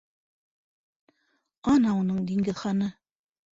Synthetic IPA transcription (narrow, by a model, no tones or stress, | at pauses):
ɑnɑunɤɴd̪iŋɡɘðχɑnɤ